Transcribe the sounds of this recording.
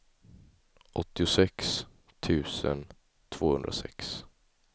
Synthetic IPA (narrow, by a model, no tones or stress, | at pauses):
ʔɔt̪ːɪʊsɛks | t̪ʰʉ̟ːsə̰n | t̪ʰv̥oːhɵnd̪ɾasɛks